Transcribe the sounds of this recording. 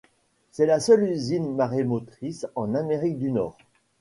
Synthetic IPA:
sɛlasœlyzinmaʁemot̪χisɑ̃nameʁik̚d̪ynɔːʁ

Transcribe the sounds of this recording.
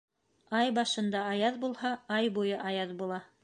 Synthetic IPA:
ɑjbɑʃɤ̆nd̪ɑɑjɑðbulˠhɑɑjbujɤʔɑjɑðbulˠɑ

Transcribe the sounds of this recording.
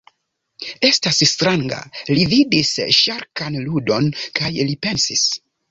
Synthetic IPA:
e̞stasstɾaŋɡa̰lividisʃaɾkanludo̞nkajlipe̞nsis

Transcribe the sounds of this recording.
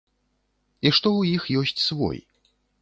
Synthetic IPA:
iʂt̪ɔwjixjɔsʲt͡sʲsvɔ̰j

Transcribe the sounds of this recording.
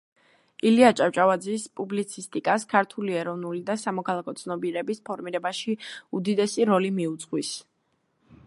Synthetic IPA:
iliat͡ʃʼaft͡ʃʼavad̪zispʼublit̪sʰist̪ʼikʼaskʰaɾt̪ʰuliɛɾɔvnulid̪asamɔkʰalˠakʰɔt̪sʰnɔbiɾɛbispʰɔɾmiɾɛbaʃiud̪id̪ɛsiɾɔlimiut̪sʼqʼwis

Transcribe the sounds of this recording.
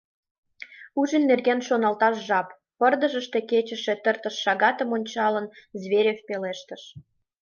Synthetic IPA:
uʒənːerɣenʃonɑlt̪ɑʃʒɑp | pərd̪ə̆ʒəʃt̪e̽ket͡ɕə̆ʃe̽t̪ərt̪əʃːɑɣɑt̪əmonʲt͡ɕɑlənzβeɾʲefpeleʃt̪əʃ

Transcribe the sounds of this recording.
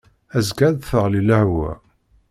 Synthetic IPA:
æzɡæðθəʁliləhwæ̰

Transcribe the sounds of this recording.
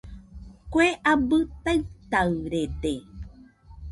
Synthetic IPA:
kʷeʔabɨt̪aɨt̪aɾede

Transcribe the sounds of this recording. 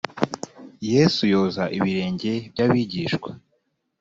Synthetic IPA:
je̞sujo̞ːzaʔiβiɾe̞ːɲɟe̞bɟaβiɟiːʃkwa

